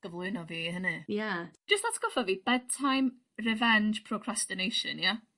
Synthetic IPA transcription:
ɡ̥əvlˠʊɨnɔviːɦənɨjad͡ʒ̥əstðatʰə̥ɡ̥ɔfɔviːb̥ɛd̚tʰajm | rɛvɛnd͡ʒpʰrɔkʰrastɪnejʃə̰nja

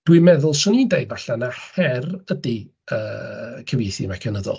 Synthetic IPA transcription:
d̥wimɛðʊlˠsʊniːndejɡvaɬanahɛrədi | əːkʰəvjejθimakʰɛnəðɔ̰lˠ

